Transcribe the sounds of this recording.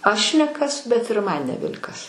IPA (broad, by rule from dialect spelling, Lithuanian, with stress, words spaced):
ˈɐʃ nʲɛ ˈkɐs bʲɛt ɪr ˈmɐn nʲɛˈbʲɛlʲ kɐs